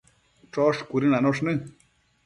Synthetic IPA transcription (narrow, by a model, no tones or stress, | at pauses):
ʈ͡ʂoʂkʷuɾinanoʂnɨ